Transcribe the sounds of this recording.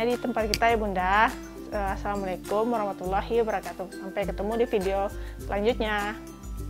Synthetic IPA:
adit̪əmpat̪̚kit̪ajabunda | əasalamalakʊmwaɾɔhmat̪ulːaɦibəɾakat̪usampajkət̪əmudifideosəlʔaɲd͡ʒut̪̚ɲa

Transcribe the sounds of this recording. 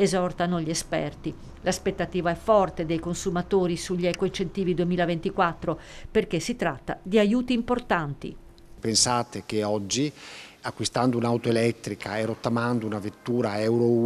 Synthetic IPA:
ezɔrt̪anoʎiespɛ̰rt̪i | laspet̪ːat̪iːvaɛfːɔrt̪ed̪ejkonsumat̪oːɾisuʎːɛkoint͡ʃent̪iːvid̪uemiːlavent̪ikwat̪ːɾoperk̟esːit̪ɾat̪ːad̪iajuːt̪iːmport̪ant̪ḭ | pensaːt̪ekeɔd͡ʒːiakːwist̪and̪ounawt̪oelɛt̪ːɾikaerot̪ːamand̪ounavet̪ːuːɾaɛwɾo

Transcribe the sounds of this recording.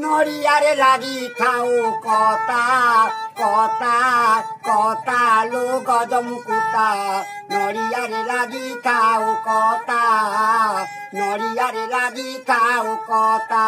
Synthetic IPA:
nɔɽiaɾelaɡit̪ʰaukɔt̪a | kɔt̪akɔt̪aloɡɔd͡ʒɔmukot̪a | nɔɽiaɾelaɡit̪ʰaukɔt̪a | nɔɽijaɾelaɡit̪ʰaukɔt̪a

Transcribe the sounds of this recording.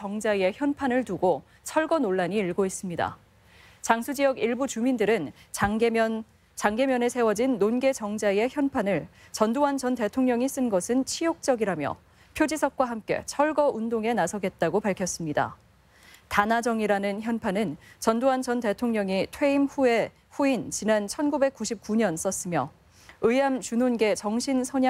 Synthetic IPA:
ʌŋd͡ʑae̞çjʌnpʰanɯɭtuɡo | t͡ɕʰʌɭɡʌnoɭːaɲiːɭɡois͈ɯmɲida̰ | t͡ɕaŋsʰud͡ʑijʌɡiɭbut͡ɕumindɯɾɯn | t͡ɕʌ | t͡ɕaŋɡe̞mjʌnesʰe̞wʌd͡ʑinːonɡe̞t͡ɕʌŋd͡ʑaie̞çjʌnpʰanɯɭt͡ɕʌndoand͡ʑʌnte̞tʰoŋɲʌŋis͈ɯnɡʌsʰɯnt͡ɕʰijok̚t͡ɕ͈ʌɡiɾamjʌ̰ | pʰjod͡ʑisʰʌk̚k͈waɦamk͈e̞̰t͡ɕʰʌɭɡʌʔundoŋe̞nasʰʌɡe̞t̚t͈aɡopaɭkʰjʌs͈ɯmɲida̰ | tanad͡ʑʌŋiɾanɯnçjʌnpʰanɯnt͡ɕʌndoand͡ʑʌnte̞tʰoŋɲʌŋitʰwe̞imɸue̞ | ɸuint͡ɕinant͡ɕʰʌnɡube̞k͈uɕʰip̚k͈uɲʌns͈ʌs͈ɯmjʌ | ɯamt͡ɕunonɡe̞t͡ɕʌŋɕʰinsʰʌɲ

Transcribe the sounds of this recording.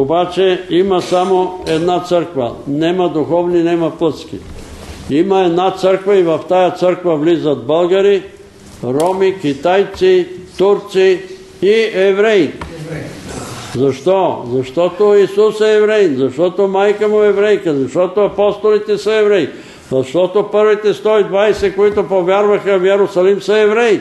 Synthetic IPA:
obat͡ʃɛimɐsamoɛd̪nat̪səɾkvɐ̰nɛmɐd̪uxɔvninɛmɐplˠət̪skḭ | imɐɛd̪nat̪səɾkvɐivɐft̪ajat̪səɾkvɐvlizɐt̪̚bəlˠɡaɾi | ɾɔmikit̪ajt̪sit̪uɾt̪si | iɛvɾɛj | zɐʃt̪ɔzɐʃt̪ɔt̪oisusɛːvɾɛjnzɐʃt̪ɔt̪omajkəmʊɛvɾɛjkəzɐʃt̪ɔt̪oɐpɔst̪olit̪ɛsɐɛvɾɛj | zɐʃt̪ɔt̪opəɾvit̪ɛst̪ɔid̪vajsɛkoit̪opovʲjaɾvɐxɐvjɛɾosɐlimsəɛvɾɛj

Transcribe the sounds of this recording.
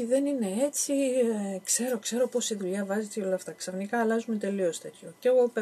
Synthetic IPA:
iðe̞nine̞e̞t͡sikse̞ɾo̞kse̞ɾo̞po̞siðuʎɐvɐzet̪eo̞lɐft̪ɐksɐfnikɐːlɐzume̞t̪e̞lio̞st̪e̞t̪ço̞ceɣop

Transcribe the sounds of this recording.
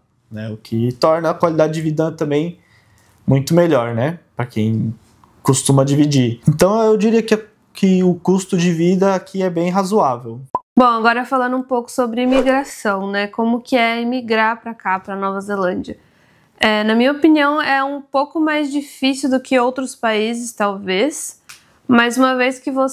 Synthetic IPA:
nɛʊkʰɪt̪ɔɾnɐːkwalid̪ad͡ʒɪd͡ʒɪvid̪ɐt̪ɐ̃mbẽj̃ | mũj̃t̪ʊmeʎɔɾnɛpɾɐkḛ̃j̃ | kust̪ũmɐd͡ʒivid͡ʒiɾẽnt̪ɐ̃w̃ewd͡ʒiɾiɐkɪ | kʰɪʊkust̪ʊd͡ʒɪvid̪ɐakʰiɛbẽj̃ɦazuavewbõw̃aɡɔɾɐɛfalɐ̃nd̪ʊũpowkʊ̥sobɾɪimiɡɾasɐ̃w̃nɛkõmʊkɪɛimiɡɾaɾpɾɐkapɾɐnɔvɐzelɐ̃d͡ʒɐ | ɛnɐmĩɲɐopiniɐ̃w̃ɛũpowkʊmajzd͡ʒifisiud̪ʊkɪowt̪ɾʊspaizɪst̪awves | mɐzũmɐveskɪvo

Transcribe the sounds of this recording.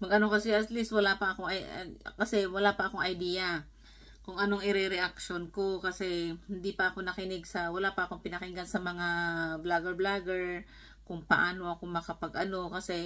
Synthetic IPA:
mɐɡʔɐno̞kɐsɛʔɐt̪list̪̚wɐlaːpɐʔɐko̞ŋʔɐ̰kɐsɛwɐlaːpɐʔɐko̞ŋʔɐjd̪iːja | kʊŋʔɐnoŋʔɪɾɛɾɛʔakʃonko̞kɐsɛhɪnd̪ipɐʔɐko̞nɐkɪnɪɡ̚sɐwɐlaːpɐʔɐko̞ŋpɪnɐkɪnɡansɐmɐŋablaɡɛɹblaɡɛɹ | kʊŋpɐʔaːno̞ʔɐkomɐkɐpɐɡʔɐno̞kɐsɛ

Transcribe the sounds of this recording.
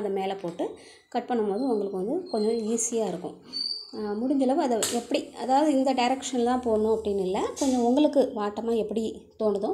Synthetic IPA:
ɐðɐmeːlɛpoːʈːɯ | kɐʈ̚pɐɳːɯmpoːðɯʊŋɡɐɭɯkːɯʋɐnd̪ɯkɔɲd͡ʒɔ̃iːsɪjaːɪɾɯkːʊ̰̃ | mʊɽɪɲd͡ʒɐlɐʋɐðɐɛpːɐɽiɐðaːʋɐðɯɪnd̪ɐɖɐɪɾɛkʂɐnt̪ãːpoːɐnʊ̃ɐpːɐɽɪnɪlːɐkɔɲd͡ʒɔ̃ʊŋɡɐɭɯkːɯʋaːʈːɐmaːɛpːɐɽi | t̪oːɳɯðʊ̃

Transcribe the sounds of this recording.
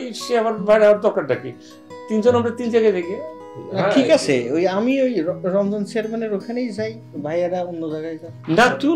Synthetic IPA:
ʃeabaɾbʱajɾaaaɾd̪ɔɾkaɾɖakḭ | t̪ind͡ʑonamɾat̪ind͡ʑaɡajd̪aɡe | aʈʰikat͡ɕʰḛojamiojɔɾɔmd͡ʑɔnseɾbaneɾokʰanejd͡ʑaj | bʱajaɾaonːod͡ʑaɡajd͡ʑajnat̪u

